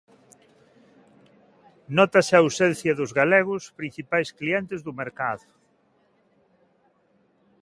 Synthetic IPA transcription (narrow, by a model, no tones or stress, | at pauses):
nɔt̪ɐsɪaːwsɛn̟θjɐðʊzɣalɛɣʊspɾin̟θipajskliɛnt̪ɪzðʊmeɾkaðʊ